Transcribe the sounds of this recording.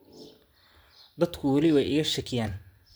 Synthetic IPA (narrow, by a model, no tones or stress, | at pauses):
d̪ɐd̪kʰʊwɐlɪwɛjɪɣɐʃɐkʰɪjaːn